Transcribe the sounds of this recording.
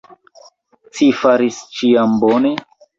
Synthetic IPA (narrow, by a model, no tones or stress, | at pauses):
t͡sifaɾist͡ʃiambone